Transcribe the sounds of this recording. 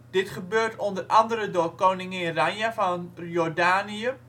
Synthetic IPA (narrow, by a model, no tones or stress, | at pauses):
d̥ɪtχəbøːrtʰondərʔɑndəɾədoːrkoːnɪŋəɪnraɲəfɔnjɔrdaːniə